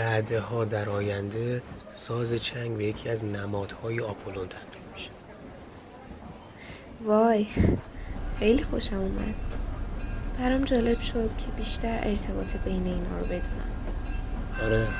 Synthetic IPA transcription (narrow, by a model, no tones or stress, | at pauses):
bæd̪ehɒːd̪æɾɒːjænd̪e̞ | sɒːze̞t͡ʃʰæŋɡvejecʰiːæznæmɒːd̪̥hɒːjeɒːpʰolont̪ʰæmɢiːd̪miʃe̥ | vɒːj | xe̞jlixo̞ʃæmuːmæ̰d̪̥ | b̥æɾɒmd͡ʒɒːle̞b̥ʃod̪̥cʰe̞biːʃt̪æɾʔe̞̰ɾt̪ʰe̞bɒːt̪ʰebejne̞iːnhɒ̰ːɾobe̞d̪uːnæ̰m | ɒɾe